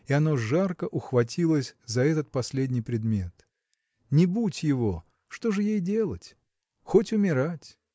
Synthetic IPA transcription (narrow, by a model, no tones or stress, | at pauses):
ɪɐno̞ʐarkəʔʊxvɐtʲilˠəsʲzɐɛt̪ət̪̚pɐsʲlʲedʲnʲijpɾʲɪd̪mʲe̞t̪ | nʲɪbutʲjɪvo̞ | ʂt̪oʐɨjejdʲe̞lˠətʲ | xo̞tʲʊmʲɪɾatʲ